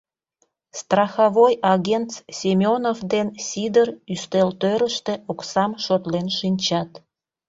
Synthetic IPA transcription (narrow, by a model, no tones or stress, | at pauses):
st̪rɑxɑβojɑɣent̪ssʲemʲonofd̪ensʲid̪əryst̪elt̪øɾəʃt̪e̽ʔoksɑmʃot̪lenʃinʲt͡ɕɑt̪